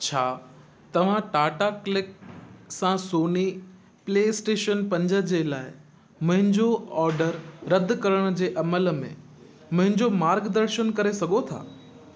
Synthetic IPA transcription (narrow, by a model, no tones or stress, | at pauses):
t͡ɕʰaː | t̪ɐʋ̤ãʈaːʈaklɪksãsoːni | pleːɪsʈeːʃənpɐ̃ɲd͡ʑə̆d͡ʑeːlaːɪ | mʊ̃ɦɪ̃ɲd͡ʑoɔːɾɖəɾːɐd̪ʱkɐɾəɽ̃ʊ̆d͡ʑeːʔɐməlmḛ̃ | mʊ̃ɦɪ̃ɲd͡ʑomaːɾɡd̪əɾʃənkɐɾesɐɡʱot̪ʰa̰ː